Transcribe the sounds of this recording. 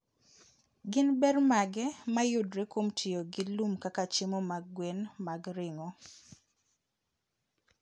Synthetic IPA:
ɡɪnbɛrmaɡɛmajʊdɾɛkomtʰioɡɪlumkakat͡ʃɪmɔmaɡwenmaɡɾɪŋɔ

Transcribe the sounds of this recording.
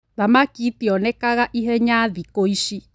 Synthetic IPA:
ðamãkit̪iɔnẽkaɣaʔiɦeɲãðikoiʃi

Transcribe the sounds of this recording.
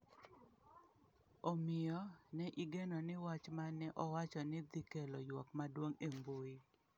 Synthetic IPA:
omɪɔnɛʔiɡɛnɔnɪwat͡ʃmanɛʔɔwat͡ʃɔnɪd̪ikelɔjwɔkmadwoŋemboi

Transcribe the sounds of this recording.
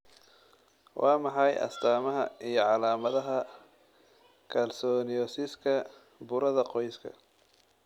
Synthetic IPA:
wʔɑːmɑħɑjʔɐ̰st̪ʰaːmɐɦɐijɞʕɑlaːmɐðɐɦɐ | kʰɐlsɔːnɪɔsɪskʰɐ | bʊɾɐðɐqɔjskʰɐ̰

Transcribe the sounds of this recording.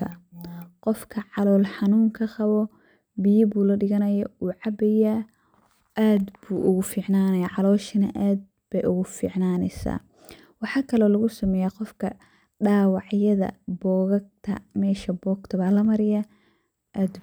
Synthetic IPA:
ɐqɔfkʰɐʕɑlɔːlħɑnuːŋkʰɐqɑβɔ | bijɪbuːlɐɖɪɣɐnɐjɐ̰uːʕɑbɛjaː | ʔaːd̪buːʔʊɣʊfiːʕnaːnɐjaʕɑlɔːʃɐnɐʔaːd̪̚ | b̥ɛjʔʊɣʊfḭːʕnaːnɛ̰sa̰ː | wɑħɑːkʰɐlɔːlɐɣʊsɐmɛːjaqɔfkʰɐ | ɖaːwɑʕjɐðɐ̰bɔːɣɐɡ̚t̪ʰɐ̰mɛːʃɐbɔːɡt̪ʰɐβaːlɐmɐɾɪja | ʔaːd̪

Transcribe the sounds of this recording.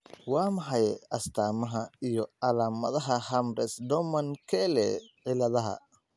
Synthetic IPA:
wɑːmɑħɑjɛʔɐst̪ʰaːmɐɦɐijɔɐlaːmɐðɐɦɐhɐmɾɛsd̪ɔmɐnkʰɛlɛqɪlɐðɐɦɐ̰

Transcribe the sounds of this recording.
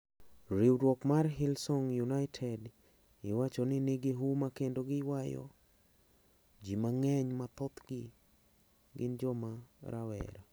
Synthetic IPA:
ɾiwɾwɔkmarɦilsɔŋjunaɪtʰɛd | ɪwat͡ʃonɪnɪɡɪɦumakendoɡɪwajɔ̰ | d͡ʒimaŋɛɲmat̪ɔt̪ɡɪ | ɡɪ̰nd͡ʒɔmaɾa̰wɛ̰ɾa

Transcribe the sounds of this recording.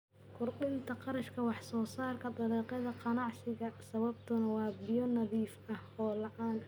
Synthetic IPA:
kʰʊrɗɪnt̪ʰɐqɑɾɐʃkʰɐwɑħsɔːsaːrkʰɐd̪ɑlɛːqɑðɐqɑnɑʕsɪɣɐsɐβɐbt̪ʰʊnɐwɑːbɪjɔnɐðiːfɐhɔːlɑʔɑːn

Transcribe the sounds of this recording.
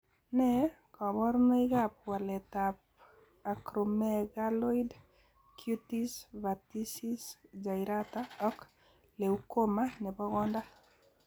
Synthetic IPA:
nɛ | kɔβɔɾmɛjɣap̚walɛtap̚ | akɾomɛɡalɔid | kʰjutisβatisisd͡ʒajɾataɔk | leukomanɛbɔɣɔnda

